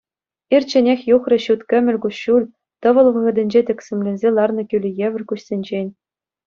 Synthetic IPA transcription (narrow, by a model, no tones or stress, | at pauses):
irʲt͡ɕɘ̆nʲexʲjuχrɤ̆ɕut̪kʲɘ̆mʲɘ̆lʲkuɕulʲ | t̪ɤ̆ʋɤ̆lˠʋɤ̆ʁɤ̆d̪ʲɘ̆nʲd͡ʑet̪ʲɘ̆kʲsʲɘ̆mʲlʲĕnʲzʲelˠɑrnɤ̆kʲylʲijeʋʲɘ̆rʲkuɕsʲenʲd͡ʑenʲ